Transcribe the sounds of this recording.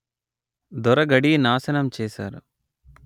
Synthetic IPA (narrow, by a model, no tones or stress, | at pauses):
d̪ɔɾɐɡɐɽinaːsɐnɐmt͡ʃɛːsa̰ːɾu